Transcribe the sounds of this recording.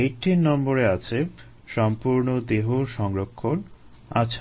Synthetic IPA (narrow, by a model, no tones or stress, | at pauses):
eʈinːɔmboɾeat͡ɕʰe | ʃɔmpuɾnod̪eɦoʃɔŋɾokʰːon | a̰t͡ɕʰ